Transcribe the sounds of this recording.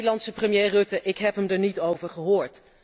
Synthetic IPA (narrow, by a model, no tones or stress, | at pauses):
dəlɑntsəprəmjejrɵtəʔɪkɦɛpɦəmdəɹnitowvəɹχəɦʊːɹt